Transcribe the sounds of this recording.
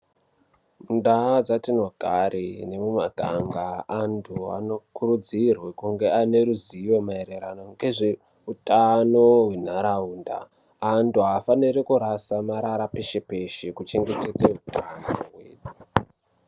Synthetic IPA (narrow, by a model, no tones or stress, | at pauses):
mundad͡zatinwaɡ̥ʱaɾine̞mumaɡʱa̰ŋɡaantʰua̰no̞kuɾud͡zirwekuŋɡe̞ane̞ɾuziʋomaeɾe̞ɾa̰noŋɡe̞ʐe | utʰanowe̞n̤aɾauːnda̰ː | ntuɦafanirekuɾasamaɾaɾapeʃepe̞ʃekut͡ʃe̞ŋɡe̞te̞d͡zeutʰanoɦwḛːɗu